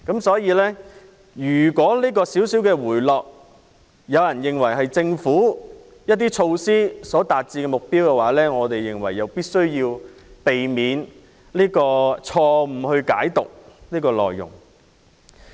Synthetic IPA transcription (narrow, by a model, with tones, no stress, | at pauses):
kɐ˨˥msɔː˨˥jiː˧lɛː˥ | jyː˨˩kɔː˨˥liː˥kɔː˧siː˨˥wsiː˨˥wkɛ˧wuː˨˩jlɔː˨k̚ | jɐ˨˧wjɐ˨˩njɪ˨ŋwɐ˨˩jɦɐ˨jt͡sɪ˧ŋfuː˨˥ | jɐ˥t̚t̪̬iː˥t͡ʃʰo˧wsiː˥sɔː˨˥t̪aː˨t̚t͡siː˧kɛː˧mʊ˨k̚piː˥wkɛː˧waː˨˥lɛː˥ŋɔː˨˧t̪e˨jːɪ˨˩ŋwɐ̰˨˩jːɐ˨wpiː˥t̚sɵ˥ɥjiː˧wpe˨jmiː˨˧n | liː˥kɔː˧t͡ʃʰɔː˧m̩˨˩hɵ˧ɥka̰ː˨˥jt̪ʊ˨k̚niː˥kɔː˧lɔ̰ː˨˩jːʊ̰˨˩ŋ